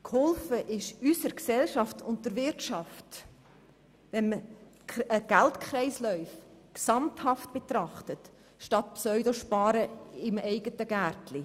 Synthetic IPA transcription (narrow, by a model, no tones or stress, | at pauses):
khɔlfəʔɪʃysəɾksɛlʃɑftʊnt̚d̥əɾvɪɾtʃɑft | ʋɛnmə | əɡ̥æltkχɾɛɪslœʏfksɑmthɑft̚b̥et̪rɑχtət | ʃtɑt̚psœʏdoʃpɑːɾəɪmɛɪɡətəɡæɾtli